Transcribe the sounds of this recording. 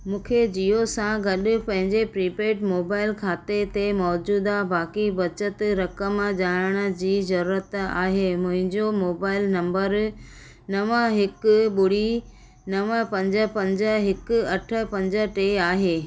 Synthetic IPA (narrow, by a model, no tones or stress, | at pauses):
mũːkʰed͡ʑiosãɡɐɗʊ̆pɐ̃ɦɪ̃ɲd͡ʑepɾiːpeːʈmoːbaːɪlkʰaːt̪et̪emɔːd͡ʑuːd̪abaːkibɐt͡ɕət̪ɾɐkəmʄaːɽəɽ̃ʊ̆d͡ʑiːzɐɾuːɾət̪a̰ːɦeːmʊ̃ɦɪ̃ɲd͡ʑomoːbaːɪlnɐ̃mbəɾ | nɐʋəɦɪkɓʊɽ̤i | nɐʋəpɐ̃ɲd͡ʑə̆pɐ̃ɲd͡ʑə̆ɦɪkʊɐʈʰə̆pɐ̃ɲd͡ʑəʈeːaːɦeː